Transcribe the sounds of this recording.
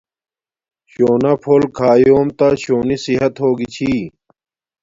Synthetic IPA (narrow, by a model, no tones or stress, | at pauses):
ɕoːnɐpʰoːlkʰaːjoːmt̪aɕoːnisiɦɐt̪ɦoːɡit͡ɕʰi